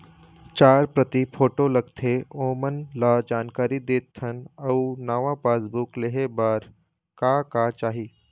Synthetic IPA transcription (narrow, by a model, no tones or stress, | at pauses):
t͡ʃaːɾpɾət̪ipʰoːʈolɐɡt̪ʰeoːmənlad͡ʒaːnkaːɾid̪eːt̪ʰːənɐunaːʋãpaːsbukleɦebaːɾ | kaːkaːt͡ʃaːɦiː